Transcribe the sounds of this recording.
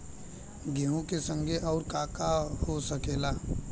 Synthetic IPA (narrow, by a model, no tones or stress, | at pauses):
ɡeɦũkesə̃ŋɡʱeʔɔːɾkaːkahosəkeːlaː